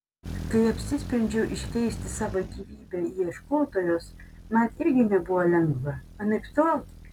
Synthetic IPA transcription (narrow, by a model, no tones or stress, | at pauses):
kɐɪɐpʲsʲɪsʲpʲɾʲɪnʲd͡ʒʲɛʊʔɪʃʲkʲɛɪsʲt̪ʲɪsɑːʋɐkʲiːʋʲiːbʲɛiɛʃkoːt̪oːjoːs | mɐnɪɾʲɡʲɪnʲɛbʊʋɐlʲɛŋɡʋɐ | ɐnʲɛkst̪ɑlˠ